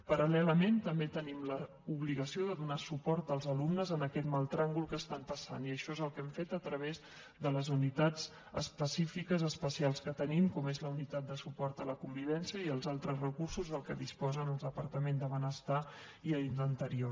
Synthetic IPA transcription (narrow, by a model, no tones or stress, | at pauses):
pəɾəlɛləmẽnt̪əmbet̪ənimlə | uβliɣəsioðəðunasupɔɾt̪əlˠzəlumnəzənəkɛt̪malˠt̪ɾaŋɡulˠkəst̪ampəsa̰niəʃɔezəlˠkɛmfet̪ət̪ɾəβ̞ez | ðələzunit̪ad͡z | ə̰spəsifikəzəspəsialˠskət̪ənimkɔmezləunit̪at̪̚d̪əsupɔɾt̪ələkumbiβɛnsiəiəlˠzalˠt̪ɾəzrəkursuzðəlˠkəðispɔzənəlˠd̪əpəɾt̪əmẽnzd̪əβənəst̪a | iəind̪ənt̪əɾio